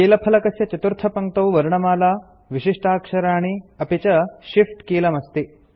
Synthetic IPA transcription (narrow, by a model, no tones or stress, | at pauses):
eːlɐpʰɐlɐkɐsjɐt͡ʃɐt̪uɾt̪ʰɐpɐŋt̪ɐwʋɐɾɳɐmaːlaː | ʋiʃiʂʈaːkʂɐɾaːɳ̃iɐpit͡ʃɐʃifʈkiːlɐmɐst̪i